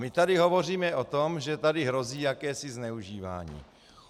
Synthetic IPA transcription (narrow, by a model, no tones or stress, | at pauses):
mɪt̪adɪɦo̞vo̞r̝iːmɛʔot̪omʒɛt̪adɪɦɾo̞ziːjakɛːsɪznɛuʒiːva̰ːɲḭː